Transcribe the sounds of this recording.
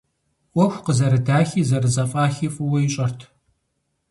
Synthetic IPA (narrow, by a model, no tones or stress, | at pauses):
wʷɔxʷqəzɐɾɨdaːxiːzɐrɨzɐfʼaːxiːfʼɨwɐjiɕʼɐrtʰ